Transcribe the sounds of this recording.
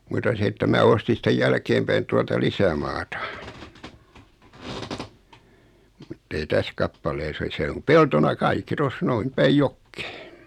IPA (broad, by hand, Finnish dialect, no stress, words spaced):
mutɑ se etːæ mæː ostin sĭtej jælkeːm pæin tuɑltɑ lisæmɑːtɑ mutːei tæs kɑpːɑleːs o se om peltonɑ kɑikːi tos noin pæij jokːe̥ː